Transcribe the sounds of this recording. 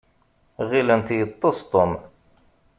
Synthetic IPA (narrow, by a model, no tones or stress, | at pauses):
ʁilənt̪jət̪ˤːost̪ˤom